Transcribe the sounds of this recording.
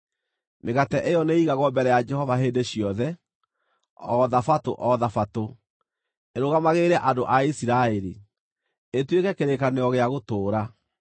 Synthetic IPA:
meɣatɛʔejɔneiɣaɣwɔmbɛɾɛjad͡ʒɛhɔvaɦeːndeɕiɔðɛ | ɔðafato̰ʔɔðafato | eɾoɣamaɣeɾɛʔandoʔaisiɾaeɾi | etwekɛkeɾekaneɔɣeaɣotoːɾa

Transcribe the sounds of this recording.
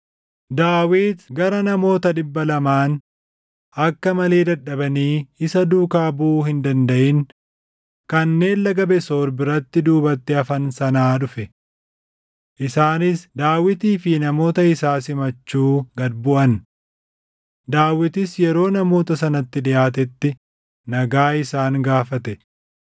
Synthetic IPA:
d̪aːwiːt̪ɡɐɾɐnɐmo̞ːt̪ɐd̪ɪbːɐlɐmaːn | ɐkːɐmɐle̞ːd̪ɐᶑːɐbɐniːɪsɐd̪uːkaːbuːhɪnd̪ɐnd̪ɐʔɪŋ | kɐnːe̞ːlːɐɡɐbɛsoːɾbɪɾɐt̪ːɪd̪uːbɐt̪ːɛɐfɐnsɐnaːᶑʊfɛ | ʔɪsaːnɪsd̪aːwɪt̪iːfɪnɐmo̞ːt̪ɐɪsaːsɪmɐt͡ʃːuːɡɐd̪bʊʔɐn | d̪aːwːɪt̪ɪsjɛɾo̞ːnɐmo̞ːt̪ɐsɐnɐt̪ːɪᶑɪjaːt̪̬ɛt̪ːɪ | nɐɡaːɪsaːŋɡaːfɐt̪ɛ

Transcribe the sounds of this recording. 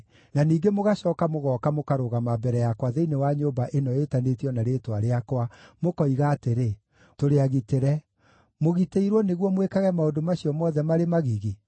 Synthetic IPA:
naniːɡemoɣaɕɔːkamoɣɔːkamokaɾoɣamabɛɾɛjakwaðeinewaɲobaʔenɔetanetiɔnaɾeːtwaɾeakwamokɔiɣaːteɾe | toɾeaɣiteɾɛ | moɣiteiɾwɔneɣwɔmwekaɣɛmaodomaɕiɔmɔðɛmaɾemaɣiɣi

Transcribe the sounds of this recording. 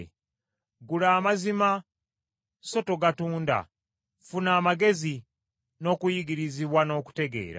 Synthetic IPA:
ɡulaːmazima | so̞to̞ɡatuːnda̰ | funaːmaɡe̞zi | no̞ːkujiɡiɾiziβwano̞ːku̥te̞ɡe̞̰ːɾa̰

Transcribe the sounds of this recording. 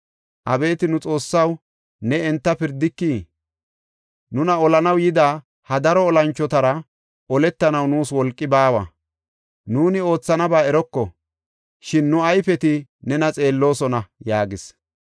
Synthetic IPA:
ʔɐbe̞ːt̪ɪnʊt͡sʼo̞ːsːɐw | nɛɛnt̪ːɐpɪɾd̪ɪkːiː | nʊnɐɔlɐnɐwjɪd̪aː | hɐd̪ɐɾɔːlɐnt͡ʃːɔt̪ɐɾɐ | ɔlɛt̪ːɐnɐwnuːswɔlkʼːɪbaːwɐ̰ | nuːnɪo̞ːt͡sːɐnɐbaːɛɾɔkːɔ | ʃɪnːʊɐjfɛt̪ɪnɛnɐt͡sʼe̞ːlːo̞ːsɔnɐjaːɡɪs

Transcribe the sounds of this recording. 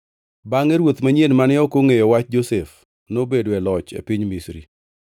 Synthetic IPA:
baŋeɾwot̪maɲenmanɪɔkoŋejɔwat͡ʃd͡ʒosef | nobedoɛlɔt͡ʃḛpiɲmisɾḭ

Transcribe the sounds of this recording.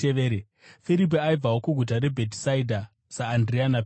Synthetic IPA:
eʋeːɾe | fiɾip̬iaib͡vawokuɡʱut̬aɾe̞bʱetsaidʱa | saːndrianap

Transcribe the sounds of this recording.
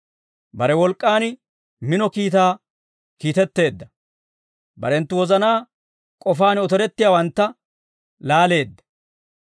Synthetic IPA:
bɐɾɛwɔlkʼːaːn | mɪnɔkiːt̪aː | kiːt̪ɛt̪ːe̞ːd̪ːɐ | bɐ̰ɾɛnt̪ːʊwɔzɐnaː | kʼɔfaːnɔt̪ɔɾɛt̪ːɪjaːwɐnt̪ːɐ | laːle̞ːd̪ːɐ̥

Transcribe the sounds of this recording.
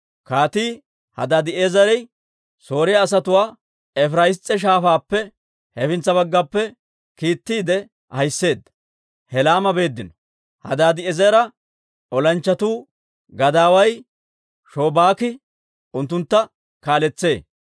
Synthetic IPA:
kaːt̪iː | hɐ̰d̪aːd̪ɪeːzɐɾɛj | so̞ːɾɪjaːs̬ɐt̪ʊwaː | ɛfɾɐjɪst͡sʼːɛʃ̬aːfaːpːɛ | hɛfɪnt͡sːɐβɐɡːɐpːɛ | kiːt̪ːiːd̪ɛ | hɐjsːe̞ːd̪ːɐ̥ | hɛlaːmɐbe̞ːd̪ːɪnɔ̥ | hɐ̰d̪aːd̪ɪɛzɐɾɐ | ɔlɐnt͡ʃːɐt̪uː | ɡɐd̪aːwɐj | ʃo̞ːbaːkɪ | ʊnt̪ːʊnt̪ːɐ | kaːlɛt͡sːe̞ː

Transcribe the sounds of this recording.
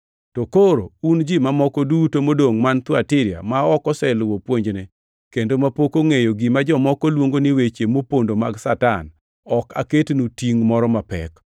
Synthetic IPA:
tokoɾound͡ʒimamɔkɔdutomodoŋmant̪wɔatɪɾja̰maɔkɔsɛlwopwoɲd͡ʒnɛ | kendomapokoŋejoɡimad͡ʒɔmɔkɔlwoŋɡonɪwet͡ʃemopondomaɡsatan | ɔka̰ketnutiŋmɔɾɔmapɛ̰k

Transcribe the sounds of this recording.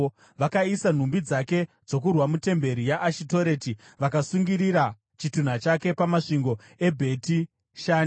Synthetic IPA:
ʋakaisan̤umbid͡zake̞ | d͡zo̞k̬urwamute̞mbe̞ɾijaʔːʃito̞ɾe̞ti | ʋakasuŋɡiɾiɾa | t͡ʃitun̤at͡ʃake̞pamaʂiŋɡo̞ | e̞bʱe̞ti | ʃaːn

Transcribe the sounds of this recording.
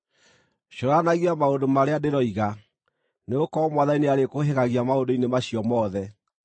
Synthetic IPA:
ɕoɾanaɣiamaodomaɾeadeɾɔiɣa | neɣokɔmwaðaineaɾekoɦeɣaɣiamaodoinemaɕiɔmɔðɛ

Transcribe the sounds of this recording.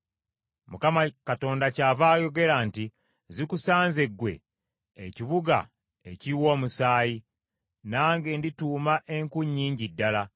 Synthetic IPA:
mukamakato̞ːndacaːvaːjo̞ɡe̞ɾaːnti | zikusaːnze̞ɡwe̞̰ː | ciβuɡa̰ | ḛciwo̞ːmusaːji | naːŋɡe̞ndituːmaʔe̞ŋkuɲːiːɲɟidːala

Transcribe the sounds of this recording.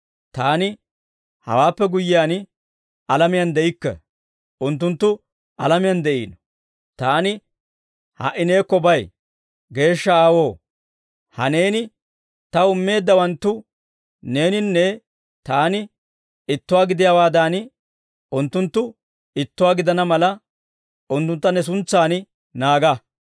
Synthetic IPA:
t̪aːnɪ | hɐ̰waːpːɛɡʊjːɪjaːn | ɐlɐmɪjɐnd̪ɛʔɪkːɛ̰ | ʔʊnt̪̬ːʊnt̪ːʊ | ɐlɐmɪjɐnd̪ɛʔḭːnɔ | t̪aːnɪ | hɐ̰ʔɪne̞ːkːɔbɐj | ɡe̞ːʃːɐaːwo̞ː | hɐ̰ne̞ːnɪ | t̪ɐʊmːe̞ːd̪ːɐwɐnt̪ːʊ | ne̞ːnɪnːɛ | t̪aːnɪ | ɪt̪ːʊwaːɡɪd̪ɪjawaːd̪aːn | ʊnt̪ːʊnt̪ːʊ | ɪt̪ːʊwaːɡɪd̪ɐnɐmɐlɐ | ʊnt̪ːʊnt̪ːɐnɛs̬ʊnt͡sːaːnɪ | naːɡɐ

